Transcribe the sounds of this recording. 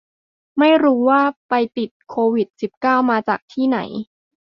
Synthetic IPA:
ma˥˩jɾuː˦˥waː˥˩pa˧jt̪i˨˩t̪̚kʰoː˧wi˨˩t̪̚si˨˩p̚kaː˥˩wmaː˧t͡ɕaː˨˩k̚t̪ʰiː˥˩na̰˩˦j

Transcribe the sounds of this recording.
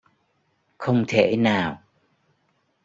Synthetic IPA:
xə˧wŋ͡mt̪ʰḛ˧˨naː˨˩w

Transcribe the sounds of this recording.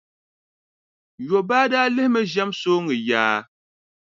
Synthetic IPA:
jo˨baː˦daː˦lɨ˦hmɛ˦ʒa˦msoː˦ŋɨ˨jaː˨˦

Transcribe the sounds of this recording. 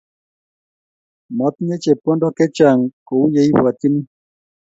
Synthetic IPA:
mɔ˨˦t̪ɲe˦t͡ʃe˨po˦ndo˦kɛ˦t͡ʃa˨ŋko˨u˦je˦i˦wwa˨t̪i˦ni˦

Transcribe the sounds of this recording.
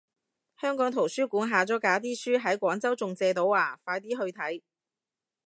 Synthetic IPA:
hœː˥ŋkɔː˨˥ŋt̪ʰo˨˩wsyː˥kuː˨˥nɦaː˨˧t͡sɔː˨˥kaː˨˥t̪̬iː˥syː˥ɦɐ˨˥jkʷɔː˨˥ŋt͡sɐ˥wt͡sʊ˨ŋt͡sɛː˧t̪o˨˥waː˨˩faː˧jt̪iː˥ɦɵ˧ɥt̪ʰɐ˨˥j

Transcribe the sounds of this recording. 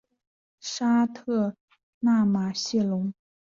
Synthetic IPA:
ʂa˥t̪ʰɤ˥˩ | na˥˩ma˨˩ɕɛ˥˩lʊ˧˥ŋ

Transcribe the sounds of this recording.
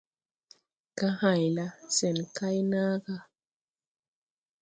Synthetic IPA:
ka˦ha˨jla˦sɛ˨nka˦jnaː˦ɡa˦

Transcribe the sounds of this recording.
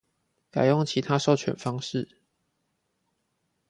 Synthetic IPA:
ka˨˩ɪjʊ˥˨ŋt͡ɕʰi˨˦t̪ʰa˦ʂo˥˨ʊt͡ɕʰɥɛ˨˩nfɑ˥ŋʂɻ̩˥˨

